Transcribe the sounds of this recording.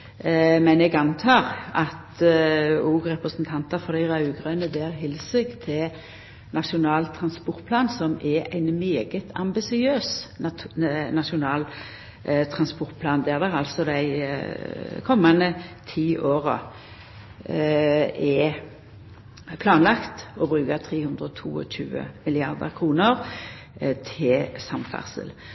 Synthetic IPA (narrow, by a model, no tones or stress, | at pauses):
mɛnɛɡɑnt̪ʰɑːʁɑt̪ | uːɡɾɛpʁəsənt̪ʰɑnt̪ɑfɔɾd̪æɪʁɑʉɡʁœnəd̪eːɾɦɪlsəɡt̪ʰɪl | nɑʂʊnɑːlt̪ʰɾɑnspɔɾt̪̚pʰlɑːnsɔmɛʔæ̰ɪnmeːɡət̪ʰɑ̰mbɪsɪøːs | nɑʂʊnɑːl | t̪ʰʁɑnspɔɾt̪̚pʰlɑːnd̪æʁd̪ɛʁɑlsɔd̪æɪ | kʰɔmːɑnd̪ət̪ʰiːʔoːʁə̰ | ɛ | pʰlɑːnlɑkt̪ɔbɾʉːkɑt̪ʰʁeːhʉnd̪ʁəɔt̪ʰṵːɔ̰ɕʉ̰ːə̰mɪlɪɑʁd̪ə̰ɾkʰʁuːnəʁ | t̪ʰɪsɑmfæ̰ʁsə̰l